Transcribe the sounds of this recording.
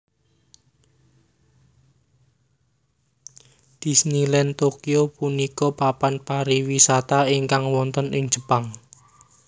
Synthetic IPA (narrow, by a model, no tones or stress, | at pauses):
d̪̥i̤snilɛnt̪okiopunikɔpapanpaɾiwisat̪aiŋkaŋwɔnt̪ənɪŋ̥d͡ʒ̥ə̤paŋ